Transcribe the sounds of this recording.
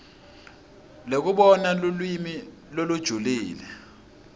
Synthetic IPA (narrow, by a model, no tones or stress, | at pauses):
lok̬uɓɔnalulwimi | lolud̥ʒ̥ʱuliːlɛ